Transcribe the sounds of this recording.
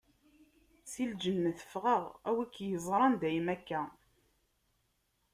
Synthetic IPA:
sild͡ʒənːəθə̥fʁəʁæwækːjəzˤɾˤɑnd̪æjmækːæ

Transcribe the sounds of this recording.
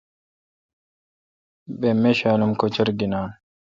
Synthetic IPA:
bemːeʃaːnʊmkɔt͡ʃɪɾɡɪnaːn

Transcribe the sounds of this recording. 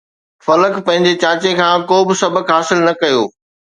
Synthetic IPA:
fɐləkpɐ̃ɦɪ̃ɲ̆d͡ʑet͡ɕãːt͡ɕekʰãːkoːbɪsɐbʱəkɦaːsɪlnɐkɐjoː

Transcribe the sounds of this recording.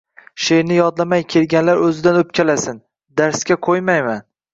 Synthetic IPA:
ʃejnɪjɒd̪lamajkʲʰe̞lɡʲanlaɾɵzɪd̪anɵp̚kʲʰalasɪn | d̪aɾskʲaqʰojmajman

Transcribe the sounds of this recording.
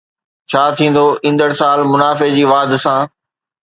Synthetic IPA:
t͡ɕʰaːt̪ʰĩːn̆d̪oʔɪ̃nd̪əɽsaːlmʊnaːfed͡ʑiːʋaːd̪sãː

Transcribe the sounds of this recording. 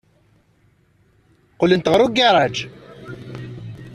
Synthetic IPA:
qolːənt̪ʁəɾˤuɡaɾˤɑd͡ʒ

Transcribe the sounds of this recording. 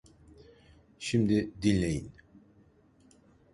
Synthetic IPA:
ʃimd̪id̪inlʲejḭn

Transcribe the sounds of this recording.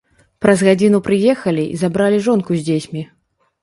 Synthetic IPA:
pɾɐzɣad͡zʲinupɾɨjɛxɐlʲiʔḭzabɾalʲiʐɔnkuzʲd͡zʲet͡sʲmʲi

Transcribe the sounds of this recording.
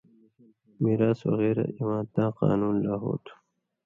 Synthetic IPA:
miːɾaːswɐ̰ɣeːɾa̰ʔiwãːnt̪ãːqɑ̰ːnuːnlaːɦo̰ːt̪ʰu̥

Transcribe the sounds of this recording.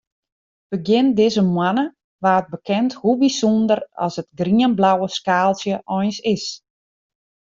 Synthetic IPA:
b̥əɡjɪndɪzəmwanə | ʋaːt̚bəkʰɛnthubisundərɔ̰sətɡriənblawəskaːlˠsjəʔɔjnsɪs

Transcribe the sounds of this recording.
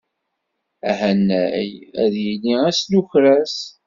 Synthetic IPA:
æɦænːæjæ̰ðjiliæsnuçɾæs

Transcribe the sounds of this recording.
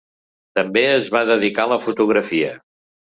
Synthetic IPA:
t̪əmbeəzβaðəðikaləfut̪uɣɾəfiə

